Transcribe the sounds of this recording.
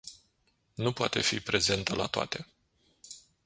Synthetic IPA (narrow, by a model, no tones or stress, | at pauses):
nupoat̪e̞fḭpɾe̞ze̞nt̪əla̰t̪oa̰t̪e̞